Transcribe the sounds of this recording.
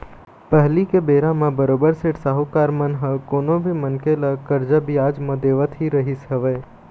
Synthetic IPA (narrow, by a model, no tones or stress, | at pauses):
pəɦlikebeːɾãmãbəɾoːbəɾseʈsaːɦukaːɾmənɦəkoːnõbʱimənkeləkəɾd͡ʒabʱiaːd͡ʒmɐ̃d̪eːʋət̪ɦiɾəɦisɦəʋeː